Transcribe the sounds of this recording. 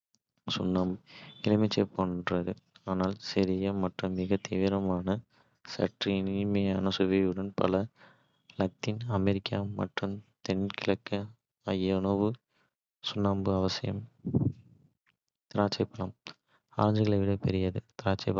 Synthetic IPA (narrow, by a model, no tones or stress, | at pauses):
sʊnːaːmbɯɪlɪmɪt͡ʃːɐpːoːndrɐðɯaːnaːlsɛɾɪjɐmɐʈrɯmːɪɣɐt̪iːʋɪɾɐmaːnɐ | sɐ̰ʈrinɪmɐjɐnɐsɯʋeɯɽɐnpɐ̰lɐ | lɐk̚t̪inɐmɛɾɪkːaːmɐ̰ʈrɯmt̪ɛnkɪɭɐkːɐ | ɐjɐnoʋɯ | sʊnːaːmbɯɐʋɐsɪjɐ̰m | t̪ɪɾaːt͡ʃːɐɪpːɐlɐm | a̰ːɾɐɲd͡ʒɯɣɐɭɐɪʋɪɽɐpɛɾɪjɐðɯt̪ɪɾaːt͡ʃːɐɪpː